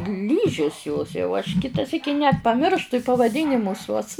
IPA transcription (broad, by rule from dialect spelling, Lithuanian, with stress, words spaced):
ˈlʲiːʒʲɪs joːs jɛʊ ɐʃ ˈkʲɪtɐ ˈsʲiːkʲɪ nʲɛt pɐˈmʲɪrʃtʊ ɪ pɐʋɐˈdʲiːnʲɪmʊs uɔs